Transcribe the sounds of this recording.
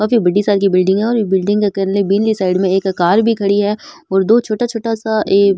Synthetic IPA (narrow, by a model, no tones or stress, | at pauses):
kaːfibɐɖisaːɖkibɪlɖɪ̃ŋɡɦɛ̃ɔːɾbɪlɖɪ̃ŋɡkakɐɾnlebiːnlisaːɪɖmẽeːkɐkaːɾbʱikʰɐɽiɦɛ | ɔːɾd̪oːt͡ʃʰoːʈat͡ʃʰoːʈasaʔeː